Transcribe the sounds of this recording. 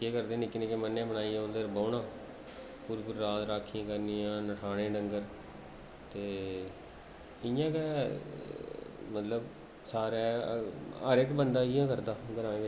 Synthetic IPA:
eːkəɾd̪ẽːnɪkːnẽːkeːmənːẽːbənaːĩːnd̪eːɾboːnãː | puɾpʊɾːaːt̪ɾaːkʰːiãːkəɾniːãːnəʈʰaːnẽːɖəŋɡəɾ | t̪eː | ɪjãːkɛ | mət̪ləb | saːɾɛː | ə̰ɾɪkbənd̪aːɪjãːkəɾd̪aːɡəɾãːẽːʋɪ

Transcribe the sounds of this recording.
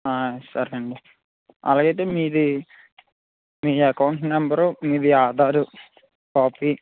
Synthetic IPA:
aːsɐɾɐɳɖi | ɐ̰laːɡɐjt̪̬eːmiːd̪i | miːɐkɐwɳʈmɛmbɐɾumiːd̪iaːd̪ʱaːɾu | kaːpiː

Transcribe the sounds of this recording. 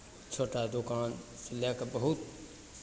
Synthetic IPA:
t͡ʃʰoːʈad̪okaːnsɪljakbəɦut̪

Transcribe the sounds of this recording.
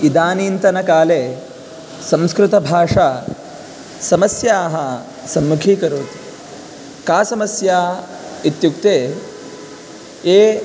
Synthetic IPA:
id̪aːniːnt̪ɐnɐkaːleː | sɐ̃mskɾɪt̪ɐbʱaːʂaː | sɐmɐsjaːɦɐ | sɐmːukʰiːkɐɾoːt̪ | kaːsɐmɐsjaː | it̪juk̚t̪eː | eː

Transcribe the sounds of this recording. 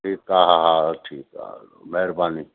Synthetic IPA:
ʈiːkaɦaɦaʈʰiːka̰ | mɛɾbaːni

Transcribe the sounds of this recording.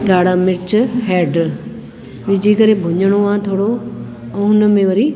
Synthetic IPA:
ɡaːɽ̤amɪɾt͡ɕɦɛːɖ | ʋɪd͡ʑʱikɐɾebʱʊɲəɽ̃oãt̪ʰoːɽo | ɛ̃ːɦʊnə̆mẽʋɐɾi

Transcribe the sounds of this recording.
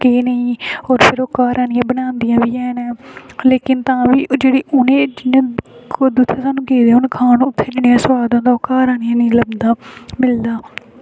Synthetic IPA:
kiːnəĩːɔːɾpʰɪɾoːkaːɾaːnɪjãːbənãːnd̪ɪjãːʋiːɛːnɛːleːkɪnt̪ãːʋiːd͡ʒeːɽiːʔʊnẽːd͡ʒɪnẽːd̪ʊt̪ʰːẽːsaːnũːkeːd̪eːʊnkʰaːnːʊt̪ʰːeːd͡ʒɪɳijãːsəwaːd̪ãːd̪aːoːkaːɾaːnɪjãːniĩːləbnd̪aːmɪld̪aː

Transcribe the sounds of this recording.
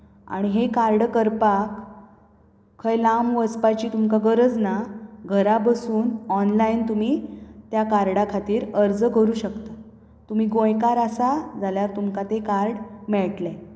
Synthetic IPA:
a̰ɽ̃iɦekaɾɽkəɾpak | əjlamʋəspat͡ɕiːt̪umkaɡəɾəd͡znaɡʱəɾabəsuːnɔnlaint̪um̤it̪jakaɾɽakʰat̪iːɾəɾd͡zəkəɾuːɕəkt̪a | t̪um̤iːɡõjkaɾasad͡zʱaljaɾt̪umkat̪ekaɾɽmɛɭʈle

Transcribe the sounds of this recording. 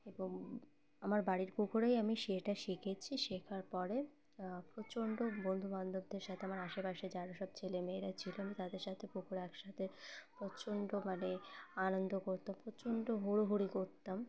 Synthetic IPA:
eboŋ | amaɾbaɽiɾpukʰoɾajamiʃeʈaʃikʰet͡ɕʰiʃekʰaɾpɔɾe | pɾot͡ɕoɳɖobond̪ʱumand̪ʱob̚d̪eɾʃat̪ʰeamaɾaʃepaʃed͡ʑaɾaʃɔb̚t͡ɕʰelemeːɾat͡ɕʰiloamit̪ad̪eɾʃat̪ʰepukʰoɾaɛkʃat̪ʰepɾot͡ɕoɳɖomaneanond̪okoɾt̪ampɾot͡ɕoɳɖoɦoɾoɦuɽikoɾt̪am

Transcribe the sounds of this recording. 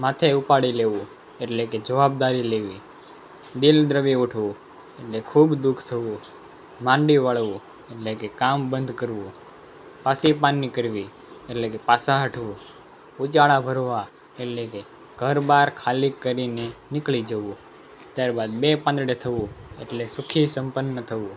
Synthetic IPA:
mãt̪ʰeupaɽileʋũ | eʈleked͡ʒəʋab̚d̪aɾileʋi | d̪ild̪ɾəʋiuʈʰʋũ | eʈlekʰubd̪ukʰt̪ʰəʋũ | mãɳɖiʋaɭʋũ | eʈlekekambənd̪ʱkəɾʋũ | pasipanːikəɾʋi | eʈlekepasaɦəʈʰʋũ | ut͡ʃaɭabʱəɾʋa | eʈleke | ɡ̥ʱəɾbaɾkʰalikːəɾinenɪklid͡ʒəʋũ | t̪jaɾbad̪̚bepãnd̪ɽet̪ʰəʋũḛʈlesʊkʰisəmpənːət̪ʰəʋũ

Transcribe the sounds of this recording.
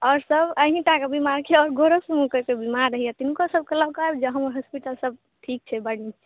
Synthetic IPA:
ɔɾsəbəɦĩʈakebimaɾkʰeɔɾɡoɾəsmũkəkebimaɾːəɦijɛt̪inkosəb̚kələbkabd͡ʒeɦəməɾɦəspiʈəlsəb̚ | ʈʰik̚t͡ʃʰɛbəɽit͡ʃʰi

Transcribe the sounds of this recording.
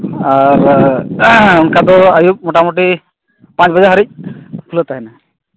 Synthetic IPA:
aɾ | unkad̪ɔajup̚mɔʈamoʈi | paɲt͡ʃbəd͡ʒaɦəɾic̚ˀpʰulɔt̪aɦɛna

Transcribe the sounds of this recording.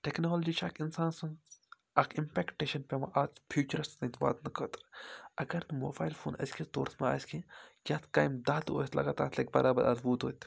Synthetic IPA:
ʈeknoːld͡ʒit͡ʃʰaːkʰinsaːnsɐn | akʰimpʲeːkʈeːʃɐnpʲemɐʔazfʰjuːt͡ʃɐɾɐsɐnt̪ba̰ːt̪nɐkɐt̪ɾɐɡɐɾt̪ɨmoːbaːjlfʰoːnɐ̰skʰit̪oːɾt̪ʰmaa̰ːsʲkʰikʲjaːt̪ʰkaːjmd̪aːt̪o̰ːt̪lɐ̰ɡaːt̪aːt̪ʰlɐk̚ʲbɐɾʔaːbɐɾʔɐ̰zbuːt̪ɦoːt̪

